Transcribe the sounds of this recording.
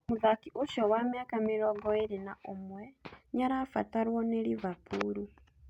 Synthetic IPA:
muðakiʔuʃowamiakamiɾoɡoiɾinaʔomweɲaɾafataɾwoneliβapʰuɾu

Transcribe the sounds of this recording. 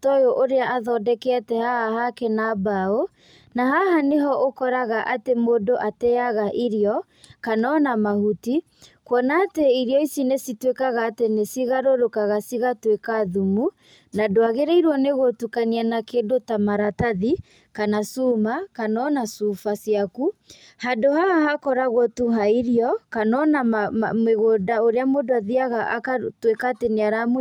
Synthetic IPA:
tɔjoʔoɾeaʔaðɔdɛkɛatɛhahahakɛnabao | nahahaneɦɔʔokɔɾaɣaʔatemodoʔatɛaɣaʔiɾiɔ | kanɔnamahuti | kwɔnateiɾiɔisinesitwekaɣaːtenesiɣaɾoɾokaɣasiɣatwekaðumu | nadoaɣeɾɛiɾwɔneɣotukanianakedotamaɾataði | kanasumakanɔnasufasiaku | hadohaahakɔɾaɣɔtuɦaiɾiɔkanɔnamameɣodaoɾeamodoaðiaɣakatwekaːteneaɾam

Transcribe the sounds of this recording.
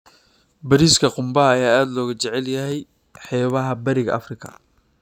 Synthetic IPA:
bɐɾiːskʰɐqʊmbɐɦɐːjaːaːd̪lɔːɣɐt͡ʃɛʕɛljɐɦɛj | ħɛːβɐɦɐbɐɾɪɣɐ̰ʔɐ̰frɪkʰɐ̰

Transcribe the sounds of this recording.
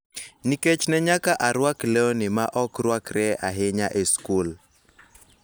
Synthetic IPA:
niket͡ʃnɛɲakaʔaɾwaklɛɔnɪmaʔɔkrwakrɛa̰ɦɪɲaʔeskul

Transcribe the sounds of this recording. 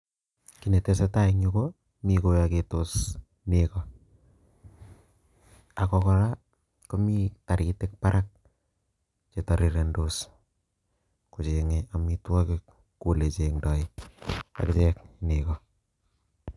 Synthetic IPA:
kinetesetaiɲuko | mikojaketos | nekɔ | akɔkɔɾa | kɔmitaɾitek̚paɾʔak̚ | t͡ʃetaɾiɾendos | kut͡ʃeŋeamitwɔkek | kulet͡ʃeŋdɔi | a̰kt͡ʃɛknekɔ

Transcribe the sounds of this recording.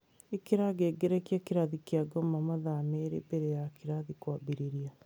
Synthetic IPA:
ekeɾaɡeɡeɾɛkjakeɾaðikjaɡɔmamaðameɾḛbeɾejakiɾaðikwabiɾiɾia

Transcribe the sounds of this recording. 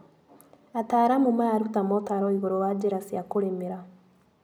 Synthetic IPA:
ataɾamumaɾutamɔtaɾɔiβoɾowad͡ʒeɾasiakoɾemeɾa

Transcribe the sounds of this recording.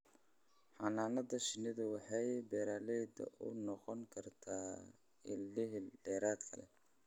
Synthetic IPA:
ħɑnaːnɐðɐʃɪnːɪðɐwɑħɑjbɛːɾaːlɛjd̪ɐ̰ʔʊ̰nɔqɔŋkʰɐrt̪ʰaː | ɪlːɪɦɖɛːɾaːd̪kʰɐ̰lɛ̰

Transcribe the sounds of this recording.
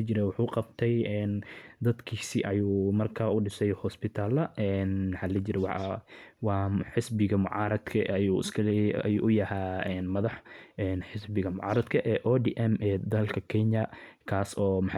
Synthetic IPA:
t͡ʃɪɾɛjwɑħuːqɑbt̪ʰɛjɛːnd̪ɐd̪kʰiːsɪʔɐjuːmɐrkʰaʊɖɪsɛjhɔspɪt̪ʰaːlɐʔɛːnmɐħaːlɛt͡ʃɪɾɛw̰ | wɑːħɪsbɪɣɐmʊ̰ʕɑːɾɐd̪kʰɐjuːɪ̰skʰɐɐ̰juːʔʊjɐhaːɛːnmɐðɑħʔɛːnħɪsbɪɣɐmʊʕɑ̰ːɾɐd̪kʰɐʔɛːʔɔd̪iːʔɛmʔɛːd̪ɐlkʰɐkʰɛɲjɐkʰaːsɔːmħ

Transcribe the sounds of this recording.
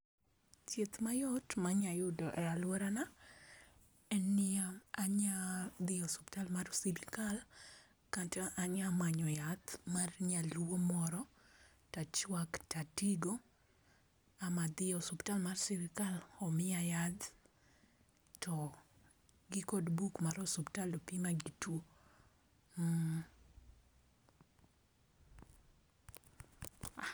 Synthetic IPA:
t͡ʃet̪majɔtmaɲajudɔʔɛalwɛɾana | ɛnːɪaaɲad̪ɪɔsɔptalmarsilikal | kantɛʔaɲamaɲɔjat̪marɲalwomɔɾɔ | tat͡ʃwaktatiɡo | amad̪ɪjɔsuptalmarsiɾɪkalɔmɪajat̪ | tʰɔ | ɡikɔdbukmaɾɔsuptalopimaɡitwo

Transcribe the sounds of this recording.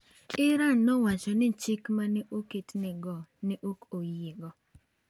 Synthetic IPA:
ɪɾanːɔwat͡ʃɔnɪt͡ʃɪkmanɪʔoketnɪɡɔnɪʔokojɪɡɔ

